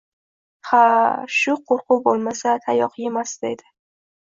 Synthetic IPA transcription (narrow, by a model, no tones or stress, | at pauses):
haʃʊqʰoɾqʰʊbolˠmasat̪ʰajɒqʰjemasd̪̥ḛjd̪ɪ